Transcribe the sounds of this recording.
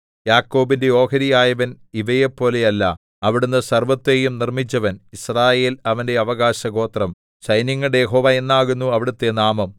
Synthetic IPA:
jaːkːo̞ːbindeo̞ːkɐɾijaːjɐʋɐn | iʋɐjepːo̞ːle̞jɐlːɐ̰ | ɐʋiɽunːɨsɐrʋɐt̪ːe̞jumnirmit͡ɕːɐʋɐnisraːje̞ːlɐʋɐnde̞ɐʋɐɣaːɕɐɣo̞ːt̪rɐm | ɕɐjniŋːɐɽejeɦo̞ːʋaːe̞nːaːɣunːuɐʋiɽut̪ːe̞naːmɐm

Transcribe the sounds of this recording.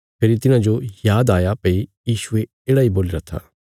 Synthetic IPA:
pʰeːɾit̪ɪnãd͡ʒojaːd̪aːjapɐijiːʃue | eːɽaiboːliɾat̪ʰa̰ː

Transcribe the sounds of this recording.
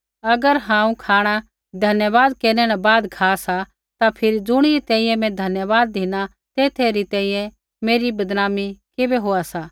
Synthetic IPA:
ɐɡəɾɦãːũkʰaːɽ̃a | d̪ʱɐnjəʋaːd̪keːɾnɛnabaːd̪kʰaːsa | t̪apʰɪɾid͡zʊɽ̃iɾit̪ɛ̃ːĩjɛ̃mɛ̃d̪ʱɐnjəʋaːd̪̚ːiːna | t̪eːt̪ʰeɾit̪ɛ̃ːĩjɛ̃ | meːɾibɐd̪naːmikebɛɦoːasaː

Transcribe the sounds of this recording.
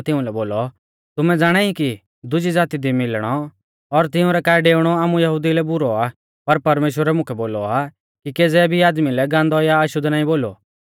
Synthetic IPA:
t̪ɪʊ̃lɛboːlɔ | t̪ʊmɛd͡zaːɽ̃aːiki | d̪ʊd͡ʒid͡zaːt̪id̪imɪlɽ̃ɔ | ɔɾt̪ɪʊ̃ɾɛkaːɛɖeːʊɽ̃ɔaːmujɐɦud̪ilɛbʊɾɔa | pɐɾpɐɾmeːʃwəɾɛmʊ̃kʰɛboːlɔa | kikeːd͡zɛbʱiaːd̪milɛɡãːnd̪ɔjaɐʃʊd̪naːĩboːlo̰

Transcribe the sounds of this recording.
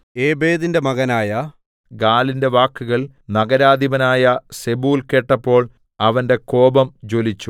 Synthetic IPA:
e̞ːbeːðinde̞mɐɣɐnaːjɐ | ɡaːlinde̞ʋaːkːuɣɐɭ | nɐɣɐɾaːd̪ibɐnaːjɐse̞buːlke̞ːʈːɐpːo̞ːɭ | ɐʋɐnde̞ko̞ːbɐmd͡ʑo̞ːlit͡ɕːu

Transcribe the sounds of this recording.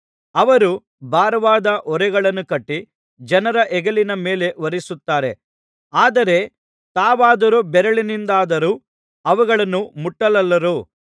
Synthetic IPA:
ɐʋɐɾu | bʱaːɾɐʋaːd̪ɐʔɔɾɛɡɐɭɐnːukɐʈːi | d͡ʒɐnɐɾɐʔɛɡɐlinɐme̞ːle̞ʋɐɾisut̪ːaːɾe̞ | aːd̪ɐɾe̞ | t̪aːʋaːd̪ɐɾubɛɾɐɭinind̪aːd̪ɐɾuː | ɐʋuɡɐɭɐnːumuʈːɐlɐlːɐɾuː

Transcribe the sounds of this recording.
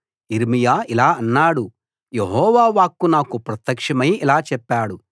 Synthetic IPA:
iɾmijaːilaːɐnːaːɽu | jeɦɔːʋaːʋaːkːunaːkupɾɐt̪ːɐkʂɐmɐjilaːt͡ʃɛpːaːɽu

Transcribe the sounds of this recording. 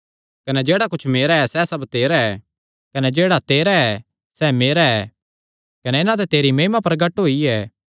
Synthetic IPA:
kɐnɛd͡ʒeːɽakʊt͡ʃʰmeːɾaɛsɛsɐbt̪eːɾaɛ | kɐnɛd͡ʒeːɽat̪eːɾaɛ | sɛmeːɾaɛ | kɐnɛɪnãt̪̬ɛt̪eːɾimeːmapɐɾɡɐʈɦoːiɛː

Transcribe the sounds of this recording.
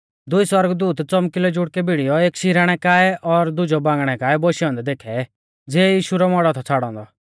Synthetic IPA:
d̪ʊiswɐɾɡd̪uːt̪t͡sɔmkɪlɔd͡ʒʊɽkɛbiɽijɔeːkʃɪɾaːɽ̃ɛkaːɛʔɔɾd̪ʊd͡ʒɔbãːŋɡɽ̃ɛkaːɛbɔʃiɔ̃nd̪ɛd̪eːkʰɛ | d͡zɛːjiːʃuɾɔmɔɽɔt̪ʰɔt͡sʰaːɽɔ̃ːnd̪ɔ

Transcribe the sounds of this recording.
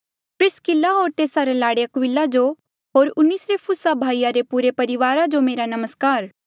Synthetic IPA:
pɾɪskɪlːaɦoːɾt̪eːsaɾelaːɽeɐkwɪlːad͡ʒo | ɦoːɾʊnːiːsɾepʰʊsabʱaːijaɾepʊɾepɐɾɪʋaːɾad͡ʒomeːɾanɐməskaːɾ

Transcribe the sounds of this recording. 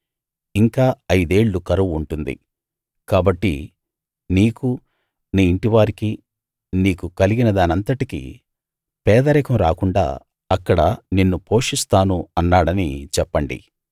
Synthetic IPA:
iŋkaːɐjd̪e̞ːɭːukɐɾɐʋuɳʈund̪ḭ | kaːbɐʈːḭ | niːku | niːiɳʈiʋaːɾiki | niːkukɐliɡinɐd̪aːnɐnt̪ɐʈikḭ | pɛːd̪ɐɾɛkɐmɾaːkuɳɖa̰ː | ɐkːɐɽɐninːupo̞ːʂist̪aːnuɐnːaːɽɐnit͡ʃɛpːɐɳɖḭ

